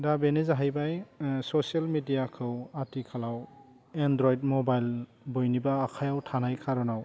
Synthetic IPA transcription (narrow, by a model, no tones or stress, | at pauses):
dabenezaɦajbajsɔsialmidijakʰɯwatikʰalaw | endɾɔjd̚mɔbajl | bojnibaːkʰajawtʰanajkʰaɾɔnaw